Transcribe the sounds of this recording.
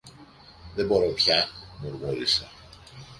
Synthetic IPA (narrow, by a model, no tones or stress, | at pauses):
ðe̞bo̞ɾo̞pçɐmuɾmuɾisɐ